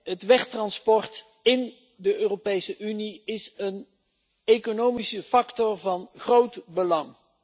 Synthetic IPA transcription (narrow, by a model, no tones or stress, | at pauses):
ɦətʋɛχtrɑnspɔrt | ɪn | dəʔøːropejsəʔyniɪsən | ekonowmisəfɑktɔrvɑnχrowtbəlɑŋ